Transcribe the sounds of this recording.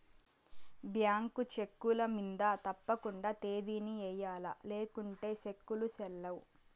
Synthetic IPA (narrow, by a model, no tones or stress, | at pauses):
bjaːŋkut͡ʃe̞kːulɐmind̪at̪ɐpːɐkuɳɖaːt̪e̞ːd̪iːniɛːjaːlɐ̰le̞ːkuɳʈe̞ːʃe̞kːulusɛlːɐwu